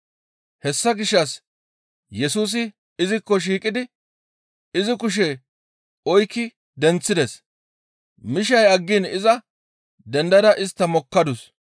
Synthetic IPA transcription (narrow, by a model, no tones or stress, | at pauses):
hɛsːɐɡɪʃːɐs | jɛsuːs̬ɪ | ɪzɪkːɔʃ̬iːkʼɪd̪ɪ | ɪzɪkʊʃ̬ɛ | ɔjkːɪ | d̪ɛnt͡sːɪd̪ɛs | mɪʃ̬ɐjɐɡːɪnɪzɐ | d̪ɛnd̪ɐd̪ɐʔɪst̪ːɐmɔkːɐd̪ʊs